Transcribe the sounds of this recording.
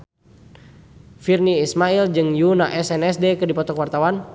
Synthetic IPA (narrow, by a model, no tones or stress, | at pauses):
firniːsmaild͡ʒɨŋjunaʔɛsɛnɛsdɛkɨrdipɔt̪ɔkwart̪awan